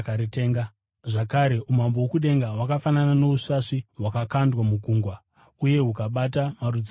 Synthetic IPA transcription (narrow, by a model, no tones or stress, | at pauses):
kaɾiteːŋɡa | ʐakaɾe̞ʔum̤ambowokuɗe̞ŋɡawakafananano̞usaʂiɦwakakandwamuɡʱuːŋɡwa | uje̞ɦukaɓatamarud͡z